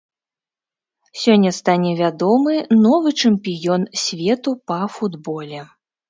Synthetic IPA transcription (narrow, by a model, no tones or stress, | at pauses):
sʲɔnʲːɐst̪anʲɛvʲad̪ɔmɨnɔvɨt͡ʂɨmpʲijɔnsʲvʲɛt̪upɐfud̪bɔlʲɛ